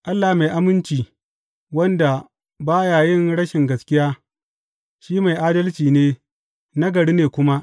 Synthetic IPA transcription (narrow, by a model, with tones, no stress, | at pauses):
ʔa˦lːa˨hma˨ʔa˦mɪ˦nt͡ʃiː˨ | wɐ˦nda˨ | baː˦jaː˨jɪ˦ŋɽɐ˦ʃɪ˨ŋɡɐ˨skʲɪ˦jaː˦ | ʃiː˦ma˨jʔaː˦dɐ˦lt͡ʃiː˨neː˦ | na˦ɡɐ˨ɽi˦neː˨kʷʊ˦ma˦ʔ